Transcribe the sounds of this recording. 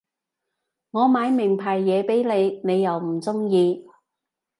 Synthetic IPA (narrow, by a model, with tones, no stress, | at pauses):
ŋɔː˨˧maː˨˧jmɪ˨˩ŋpʰaː˨˩jːɛː˨˧pe˨˥jne˨˧jne˨˧jːɐ˨wm̩˨˩t͡sʊ˥ŋjiː˧